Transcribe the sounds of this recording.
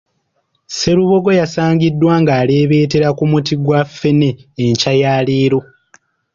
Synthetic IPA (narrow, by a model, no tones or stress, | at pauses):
se̞ɾuβo̞ɡo̞jasaːɲɟidːwaːŋɡaːleːβe̞ːte̞ɾakumutiɡwafːe̞ne̞ːɲcajaːliːɾo̞